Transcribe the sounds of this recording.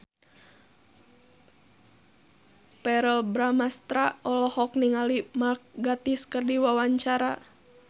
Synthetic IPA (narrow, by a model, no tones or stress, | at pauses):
pɛɾəlbɾamast̪ɾaɔlɔhɔk̚niŋalimak̚ɡat̪iskərdiwawaɲt͡ʃaɾa